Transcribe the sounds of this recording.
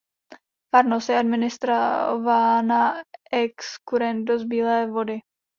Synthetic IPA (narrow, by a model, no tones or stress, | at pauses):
faɾnosjɛadmɪnɪst̪ɾavanaʔɛkskuɾɛn̚do̞zbiːlɛːvo̞dɪ